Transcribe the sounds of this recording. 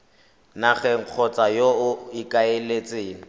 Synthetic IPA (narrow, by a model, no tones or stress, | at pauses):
naχɛŋ̩q͡χʰɔt͡sʼajoʊɪkʼaelet͡sʼeːnɪ